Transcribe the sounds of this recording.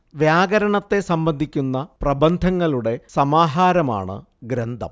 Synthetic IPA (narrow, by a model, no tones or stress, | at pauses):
ʋjaːɡɐɾɐɳɐt̪ːe̞sɐmbɐnd̪ʱikʲːunːɐprɐbɐnd̪ʱɐŋːɐɭuɽe̞sɐmaːɦaːɾɐma̰ːɳɨ̰ | ɡɾɐnd̪ʱɐ̰m